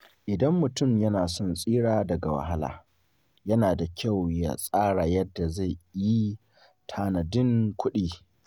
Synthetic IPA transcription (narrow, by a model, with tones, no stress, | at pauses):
ʔɪ˨dɐ˦mːʊ˨tʊ˦˨mjɐ˦naː˨sɔ˦˨nsʼiː˦ɽaː˦dɐ˨ɡa˨wɐ̰˨ɦa˦la̰ː˨ | jɐ˦naː˨da˨kʲʰa˦˨wja̰˦˨sʼaː˦ɽa˨jɐ˦dːa˨za˦˨jji˦ | tʰaː˦nɐ˨dɪ˦ŋkʷʊ˦ɗiː˦˨